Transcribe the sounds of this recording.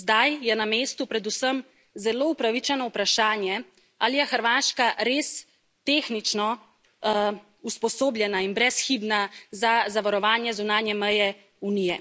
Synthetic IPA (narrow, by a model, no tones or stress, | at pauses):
zd̪ajjɛnameːst̪upɾɛd̪usəm | zɛloːupɾaʋit͡ʃɛnɔupɾaʃaːnjɛ | alijɛxəɾʋaːʃkaɾeːs | t̪exnit͡ʃnɔ | uspɔsoːbljɛnainbɾɛsxibnazazaʋaɾɔʋaːnjɛzunaːnjɛmɛjɛ | unijɛ